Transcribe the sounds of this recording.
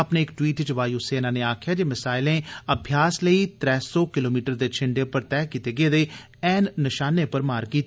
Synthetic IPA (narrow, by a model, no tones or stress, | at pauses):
əpneːɪkʈwiːʈt͡ʃʋaːjuːseːnãːneːaːkʰɪjaːd͡ʒeːmɪsaːɪlẽːəbʱjaːsləiːt̪ɾɛːsɔːkɪloːmiːʈəɾd̪eːt͡ʃʰɪɳɖeːpəɾt̪ɛːkiːt̪eːɡeːd̪eː | ɛːnːɪʃaːnepəɾmaːɾkiːt̪